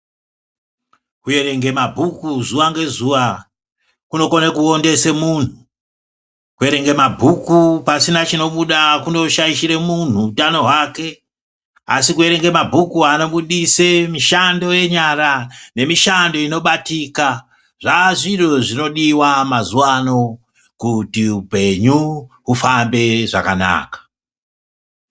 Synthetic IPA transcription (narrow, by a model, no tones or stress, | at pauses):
kuje̞ɾe̞ŋɡe̞mabʱukuzuʋaŋɡe̞zuʋa | kuno̞konekuonde̞se̞mun̤u | kue̞ɾe̞ŋɡe̞mabʱukupasinat͡ʃino̞ɓuɗakuno̞ʃajiʃiɾe̞mun̤uːtano̞ɦwaːke̞ | a̰sikue̞ɾe̞ŋɡe̞mabʱukuano̞ɓuɗisemiʃando̞je̞ɲaɾane̞miʃando̞ino̞ɓatika | ʐaʐiroʐino̞ɗiwamazuwano̞ | kutiupe̞ɲu | ufambe̞ʐa̰kana̰ːkḁ